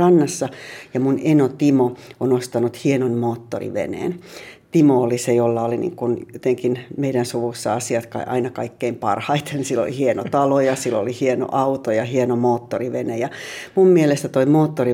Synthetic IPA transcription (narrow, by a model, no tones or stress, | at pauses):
ɑnːɑsːɑjɑmunenot̪imoonost̪ɑnut̪hienonmoːt̪ːo̰rḭʋḛnḛːnt̪imoolisejolːɑolinḭːŋkunot̪eŋkinmeidænsuʋusːɑɑsiɑt̪kɑ̰ʔɑ̰inɑkɑikːeimpɑ̰rhɑit̪ʰensilːo̰lḭhieno̰t̪ɑlojɑsilːolihieno̰ʔɑut̪ojɑhienomoːt̪ːoriʋenejɑmummielest̪æt̪oimoːt̪ːori